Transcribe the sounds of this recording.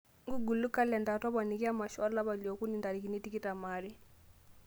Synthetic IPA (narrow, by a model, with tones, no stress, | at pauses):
ŋɡu˦ɡu˨lu˦ka˦lɛ˨nda˨tɔ˦βa˨ni˨ki˦a˦ma˨ʃɔ˦la˦βa˨li˨ɔ˨ku˦ni˨nda˨ɾi˨ki˨ni˦ti˦ki˦tʼa˨maː˦ɾi˦